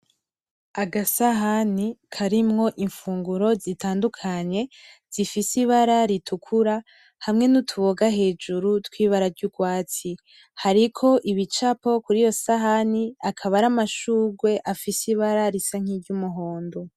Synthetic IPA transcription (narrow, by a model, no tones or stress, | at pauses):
aɡasaɦanikʰaɾimŋo̞ʔiɱfuːŋɡuɾo̞zitaːndukʰaɲe̞z̥ifisiβaɾaɾitʰukʰuɾa | hamŋe̞nutʰuβo̞ɡaɦe̞ːd͡ʒuɾutwiːβaɾaɾɟuɡwaːt͡si | haɾikʰo̞ʔiβit͡ʃapo̞kuɾijo̞saɦaniakʰaβaɾamaʃuːɡwe̞ʔafisiβaɾaɾisaŋ̥iɾɟumuɦo̞ːndo̞